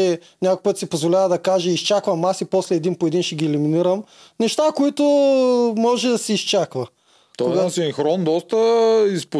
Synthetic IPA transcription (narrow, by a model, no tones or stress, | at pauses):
ɛ | nʲakʊpɤt̪sipozvolʲavɐd̪ɐkaʒɛist͡ʃakvɐmasipɔslɛːd̪inpoɛd̪inʃɛɡʲiɛliminiɾəm | nɛʃt̪akoit̪omɔʒɛd̪ɐsɛːst͡ʃakvɐ | t̪ɔkoɡasiŋxɾɔnd̪ɔst̪əisp